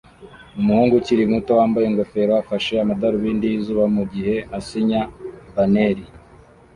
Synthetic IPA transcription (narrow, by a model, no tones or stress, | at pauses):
umuhuːŋɡuciɾimuto̞waːmbaje̞ŋɡofe̞ɾoafaʃe̞amadaɾoβiːndijizuːβamuɟihe̞asiɲabaneɾi